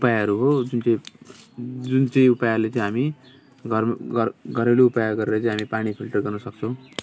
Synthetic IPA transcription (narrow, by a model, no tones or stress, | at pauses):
upajaɦʌɾuɦod͡zunt͡sʌ̃ĩ | d͡zunt͡sʌ̃ĩupajalet͡sʌj̃ɦami | ɡʱʌrmɡʌrɡʱʌɾeloupajaɡʌɾeɾʌt͡sʌj̃ɦamipaɽ̃ipʰilʈʌrɡʌrnʌsʌk̚t͡sʰʌ̃w̃